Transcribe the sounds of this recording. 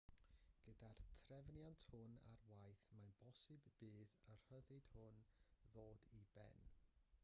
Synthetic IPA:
ɡ̥ədartʰrɛvnjantʰhʊna̰rwajθmanb̥ɔsɨbːiːðər̥əðɨd̥hʊnðoːdibɛ̰n

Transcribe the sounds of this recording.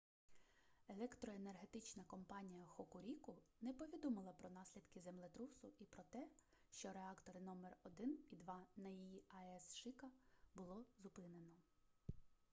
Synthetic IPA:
elˠɛkt̪ɾɔenerɦe̞t̪ɪt͡ʃnɐkɔmpɑnʲijɐxɔkʊɾʲikʊnɛpɔʋʲid̪ɔmɪlˠɐpɾɔnɑsʲlʲid̪kɪzemlˠɪt̪ɾusʊipɾɔt̪ɛʃt͡ʃɔɾeɑkt̪ɔɾɪnɔmerɔd̪ɪnid̪ʋɑnɐjijiɐɛsʃɪkɐbʊlˠɔzʊpɪnenɔ

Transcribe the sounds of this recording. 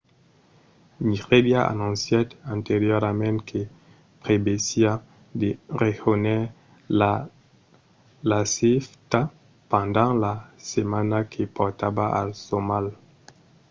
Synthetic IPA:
niʁedjaʔa̰nɔ̃nsjad̪ãnt̪eʁjɔʁmɛ̃tkʰe | pʁebesja | d̪eʁexonɛ | la | laseft̪a | pɑ̃nd̪ɑ̃lasemanakʰepɔʁt̪abaʔa̰lsomal

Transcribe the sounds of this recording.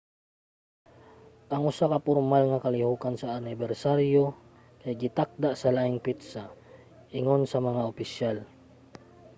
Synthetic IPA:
ʔaŋʊsakapʊɾmalŋakalɪhukansaːnɪbɛɾsaɾjo | kajɡɪt̪ak̚d̪aʔsalaʔɪŋpit̪sa | ɪŋonsamaŋaopɪʃjal

